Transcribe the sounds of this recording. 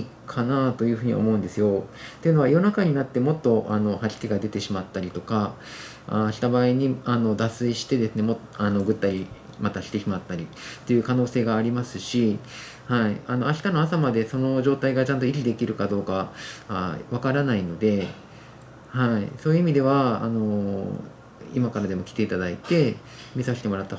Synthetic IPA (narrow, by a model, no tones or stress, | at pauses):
kʰanat̪o̞jɯ̟ɸɯ̟ɲ̟ḭao̰mo̞ɯ̃nd̪e̞sɨjo̞t̪e̞jɯ̟no̞βajo̞nakaɲ̟inat̪ːe̞mo̞t̪ːo̞ʔano̞haʑi̥kʲiɡad̪e̞t̪e̞ɕimat̪ːaɾʲit̪o̞ka | a̰ːɕi̥t̪abaːiɲ̟iano̞d̪asɨiɕi̥t̪e̞d̪e̞sɨne̞mo̞t̪ano̞ɡɯ̟t̪ːaɾʲi | mat̪aɕi̥t̪e̞çimat̪ːaɾʲi | t̪ːe̞jɯ̟kano̞ːse̞ːɡaːɾʲimasɨɕi | haiano̞aɕi̥t̪ano̞asamad̪e̞so̞no̞ʑo̞ːt̪aiɡat͡ɕãnt̪o̞iɾʲid̪e̞kʲiɾɯ̟kad̪o̞ːkaaβakaɾanaino̞d̪e̞ | haiso̞ːjɯ̟imʲid̪e̞β̞a̰ːno̞ | ḭmakaɾad̪e̞mo̞kʲi̥t̪e̞it̪ad̪ait̪e̞ | mʲisaɕi̥t̪e̞mo̞ɾat̪ːa